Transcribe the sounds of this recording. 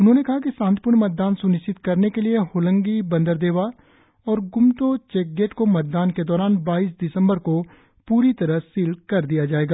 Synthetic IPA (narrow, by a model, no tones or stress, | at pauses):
ʊnɦõːnekɐɦakisãːnt̪pʊɾɳmɐt̪̚d̪aːnsʊnɪʃɪt̪kɐɾnekelieɦoːlə̃ŋɡibɐ̃nd̪əɾd̪eːʋa | ɔːɾɡʊmt̪ot͡ʃɛk̚ɡeːʈkomɐt̪̚d̪aːnked̪ɔːɾaːnbaːiːsd̪ɪsə̃mbəɾko | puːɾit̪ɐɾəɦsiːlkɐɾd̪ijad͡ʒaːeːɡaː